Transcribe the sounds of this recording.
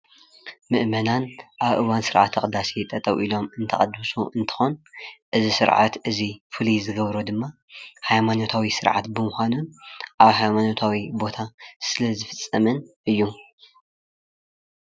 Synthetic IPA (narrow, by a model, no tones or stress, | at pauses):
mɨʔmɐnanʔaβʔɨwansɨɾʕa̰t̪ʰːɐkʼd̪asit̪ʼɐt̪ʼɐwʔilo̞mɨnt̪ʰɐχʼɐd̪usuʔɨnt̪ʰɨ̥xonʔɨzisɨ̰ɾʕa̰t̪ʔɨzifɨlizɨɡɐβɾod̪ɨmːa | hajmano̞t̪ʰawisɨɾʕa̰t̪bɨmʊxʷanunʔaβhajmano̞t̪ʰawibo̞t̪ʰasɨlɐzɨfɨt͡sʼːɐmɨnʔɨjːu